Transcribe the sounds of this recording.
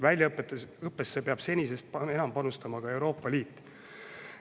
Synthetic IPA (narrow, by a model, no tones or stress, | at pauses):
vælʲjɑɤpːˑet̪ːˑeɤpːe̞sːepe̞ɑb̥se̞nʲise̞st̪̚pe̞nɑmpɑnust̪ɑmɑkɑe̞wɾo̞ːpːˑɑliːt̪ˑː